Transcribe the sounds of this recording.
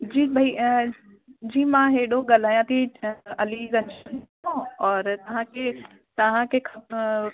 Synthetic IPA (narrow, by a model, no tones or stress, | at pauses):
d͡ʑiːbʱɐi | d͡ʑiːmãɦeɽoɠaːl̤aːjãt̪ʰiɐlizɐ̃nd͡ʑn | õɔːɾt̪ɐʋ̤ãkʰe | t̪ɐʋ̤ãkʰekʰɐ